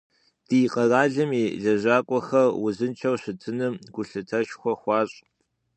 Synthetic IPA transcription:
d̥iːqɐraːɮɨmiːɮɐʑʷaːkʷʼɔxɐrwʊzɨnt͡ʃʰɐwɕɪtʰɨnɨmɡ̥ʷʊɬɨtʰɐʃxʷɔxʷɑːɕʼ

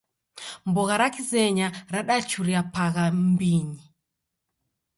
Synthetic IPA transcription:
mbɔɣaɾakizɛɲaɾaɗat͡ʃuɾiapaɣambiɲi

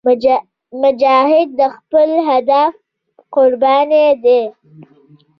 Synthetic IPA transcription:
mʊd͡ʒɑːɦɪd̪̚ːəxpəlɦad̪af | qʊɾbɑned̪e

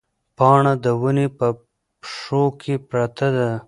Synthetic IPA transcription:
pɑːɳad̪əwunepə | pʂokʰepɾat̪ad̪a

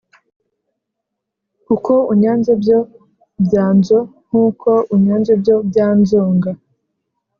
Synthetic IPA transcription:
kukouɲaːnzebɟo̞ | bjaːnzoŋ̥uːkʰoʔuɲaːnzebjo̞bɟaːnzoːŋɡa

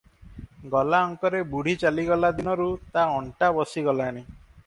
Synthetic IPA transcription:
ɡɔlaɔŋkɔɾebuɽ̤it͡ʃaliɡɔlad̪inɔɾut̪aɔɳʈabɔsiɡɔlani

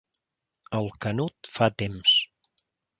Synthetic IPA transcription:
əlˠkənut̪fat̪ems

